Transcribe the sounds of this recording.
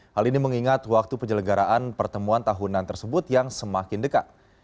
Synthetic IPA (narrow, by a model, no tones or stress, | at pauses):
haliniməŋiŋat̪wak̚t̪upəɲd͡ʒələɡaɾaʔanpərt̪əmuant̪aɦunant̪ərsəbʊt̪jaŋsəmakɪndəka̰t̪̚